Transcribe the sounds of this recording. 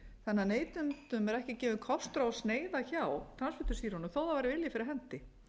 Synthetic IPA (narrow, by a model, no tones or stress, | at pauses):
θɛnːaneːjt̪ʏnt̪ʏmɛɾɛhcɪcɛːvʏnkʰɔst̪ɾaɔsneːjðaçawt̪ʰɾansfɪt̪ʏsiːɾɔnʏθowðavajɾɪvɪljafɪɾɪɾɦɛnt̪ɪ